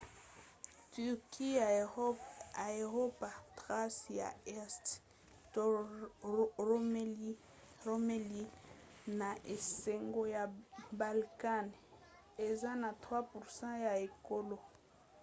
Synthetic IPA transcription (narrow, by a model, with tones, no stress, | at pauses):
ty˨ʁkʰi˦ | a˨e˨ʁo˦pa˨tʁa˦sja̰˨ɛ˦st | t | o˦ | o˦me˦li˦ | na˨ʔe˨se˨ŋɡo˦ja˨ba˨lka˦˨n | e˨za˦na˨tχwa˦pu˨ʁsɑ̃˦ja˨e˨ko˦lo˦